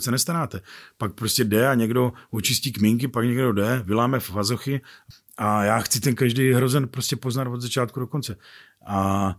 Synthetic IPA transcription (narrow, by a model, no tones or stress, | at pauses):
sɛnɛst̪aɾaːt̪ɛpak̚pɾo̞scɛdɛaɲɛɡdo̞ot͡ʃɪsciːkmiŋk̬ɪpakɲɛɡdo̞dɛvɪlaːmɛfvazoxɪ | ʔajaːxt͡sɪt̪ɛnkaʒdijɦɾo̞zɛnpɾoscɛpo̞znat̪vod̪zat͡ʃaːt̪̚kudo̞ko̞nt͡sɛ | ʔa